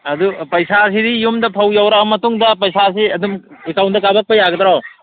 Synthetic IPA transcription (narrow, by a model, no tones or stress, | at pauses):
ɐdupɐjsas̬idijumdɐpʰawjawɾamɐtuŋdɐpɐjsas̬iɐdumekawnt̚dɐkabak̚pɐjaɡɐd̪ɾaw